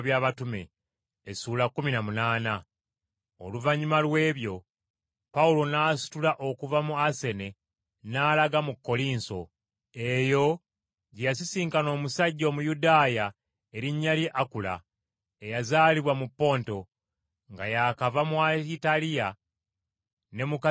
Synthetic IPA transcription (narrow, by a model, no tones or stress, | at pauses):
βjaːβatume̞̰ː | suːlakːuminamunaːna | o̰luvaɲːumalwe̞ːβjo̞ | paulo̞naːsu̥tulaʔo̞kuvamuase̞ne̞ | naːlaɡamukːo̞liːnso̞̰ | e̞jo̞ | ɟejas̬isiːŋkano̞ːmusaɟːo̞ːmujudaːja | e̞ɾiɲːaliʔakula̰ | ejazaːliβwamupːo̞ːnto̞ | ŋɡajakavamuaitalija | ne̞muk